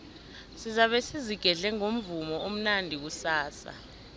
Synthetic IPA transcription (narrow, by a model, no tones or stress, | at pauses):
sizaɓɛsiziɡ̥ʱɛɮɛŋom̩vumɔom̩nandʱik̬usaːsa̰